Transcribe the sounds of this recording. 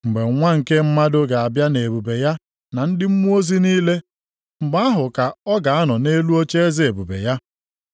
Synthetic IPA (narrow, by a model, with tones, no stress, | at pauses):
ŋ͡m̩˨ɡ͡be˨˦ŋʷa˦ŋ̩˨ke˦m̩˦ma˦dʊ˦ɡa˨a˨bja˦ne˨bu˨be˨ja˦ | na˨n̩˦dɪ˦m̩˦mu˦o˦zi˦niː˦le˦ | m̩˨ɡ͡ba˦a˦ɦʊ˨ka˨ɔ˦ɡa˨a˦nɔ˨ne˦lu˦o˦t͡ʃe˦e˦zi˦e˨bu˨bḛ˨ja˦